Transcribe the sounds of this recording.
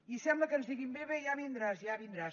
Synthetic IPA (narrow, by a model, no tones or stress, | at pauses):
isɛmbləkənzðiɣimbeβejaβind̪ɾazjaβind̪ɾa